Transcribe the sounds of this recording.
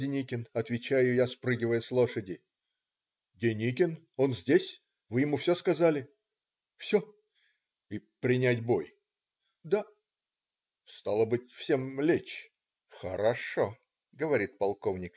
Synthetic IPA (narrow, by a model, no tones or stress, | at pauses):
dʲɪnʲikʲɪnɐt̪vʲɪt͡ɕæjʊjaspɾɨɡʲɪvəjəslˠo̞ʂədʲɪ | dʲɪnʲikʲɪn | o̞nzʲdʲesʲ | vɨjɪmufsʲoskɐzalʲɪ | fsʲo | ipɾʲɪnʲætʲbo̞j | d̪a | st̪ɑlˠəbɨtʲfsʲe̞mlʲet͡ɕ | xə̰ɾɐʂo | ɡəvɐɾʲit̪̚pɐlˠkovnʲɪk